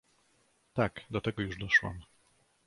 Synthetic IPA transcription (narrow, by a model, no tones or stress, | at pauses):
t̪akd̪ɔt̪ɛɡɔjuʐd̪ɔʃwa̰m